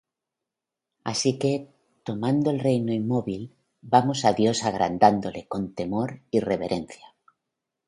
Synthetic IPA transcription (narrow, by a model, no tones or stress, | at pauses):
a̰sike̞ | t̪o̞mãnd̪oelrejnoimmːo̞βil | bamosaðjo̞saɣ̞ɾa̰nd̪and̪ole̞ko̞nt̪e̞moɾireβe̞ɾʔe̞nθja